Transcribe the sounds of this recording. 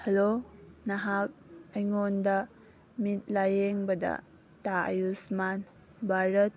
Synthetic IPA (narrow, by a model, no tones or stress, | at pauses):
hɐlonɐɦak̚ɐjŋondɐ | mit̚lajeŋbɐdɐ̰ | taɐ̰jusman | bʱaɾɐt̚